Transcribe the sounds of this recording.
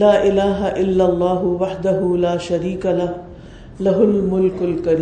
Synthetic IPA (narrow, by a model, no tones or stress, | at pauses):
laːʔɪlaːɦɐʔɪlːɐlˤːɑːɦʊwɐħd̪ɐɦuːlaːʃɐɾiːkalɐh | lɐɦʊlmʊlkʊlkɐɾi